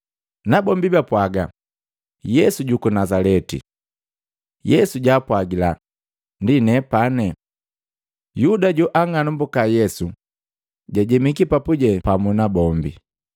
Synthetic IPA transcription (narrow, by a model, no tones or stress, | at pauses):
nabɔmbibapwaɡa | jɛsuɟukunazalɛtḭ | jɛsuɟaːpwaɡila | ndinɛpanɛ | judaɟuʔaŋanumbukajɛsu | ɟaɟɛmikipapuɟɛpamunabɔmbḭ